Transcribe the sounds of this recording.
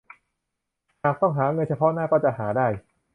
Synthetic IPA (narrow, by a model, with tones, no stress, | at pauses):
haː˨˩k̚t̪ɔ˥˩ŋɦaː˩˦ŋɤ˧nt͡ɕʰa˧pʰɔ˦˥naː˥˩kɔː˥˩t͡ɕa˨ʔɦaː˩˦daː˥˩j